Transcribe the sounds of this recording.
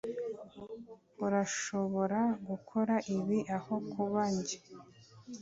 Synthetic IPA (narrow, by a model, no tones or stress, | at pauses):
uɾaʃo̞βo̞ɾaɡukʰo̞ɾaʔiβiʔaho̞kʰuβaɲɟe